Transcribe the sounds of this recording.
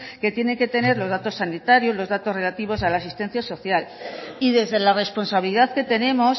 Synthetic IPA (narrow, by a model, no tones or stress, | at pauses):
ke̞t̪je̞ne̞ŋke̞t̪e̞ne̞ɾlo̞zðat̪o̞sanit̪aɾjozlo̞zðat̪ore̞lat̪iβ̞o̞salaːsist̪e̞n̟θjaso̞θjaliðe̞zðe̞lare̞spo̞nsaβiliðaðke̞t̪e̞ne̞mo̞s